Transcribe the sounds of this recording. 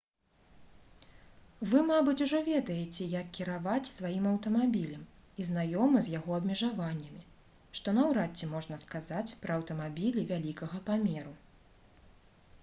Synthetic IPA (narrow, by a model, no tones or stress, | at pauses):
vɨmabɨt͡sʲuʐɔvʲɛd̪ɐjɛt͡sʲɛjɐkʲkʲːiɾavat͡sʲsvajimɐwt̪ɐmabʲilʲɐmizn̪ajɔmɨzʲjaɣɔɐbmʲɛʐavanʲːɐmʲi | ʂt̪ɔnɐwɾat͡sʲːɛmɔʐnɐskazat͡sʲpɾɐɐwt̪ɐmabʲilʲivʲalʲikɐɣɐpamʲɛɾu